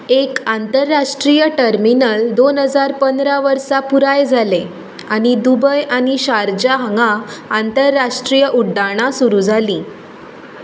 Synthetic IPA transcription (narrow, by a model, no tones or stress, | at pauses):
ekant̪əɾːaʂʈɾijəʈəɾminəld̪onɦəd͡zaɾpənd̪ɾaʋəɾsapuɾajd͡zʱale | añid̪ubəjañiɕaɾd͡ʑaɦaŋɡaːnt̪əɾːaʂʈɾijəʔuɖːaɽ̃asuɾud͡zʱaliː